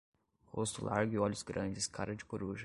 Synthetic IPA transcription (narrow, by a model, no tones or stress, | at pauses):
host̪ʊlʔa̰ɾɡʊiɔʎʊzɡɾɐ̃d͡ʒɪskʰaɾɐd͡ʒɪkoɾuʒɐ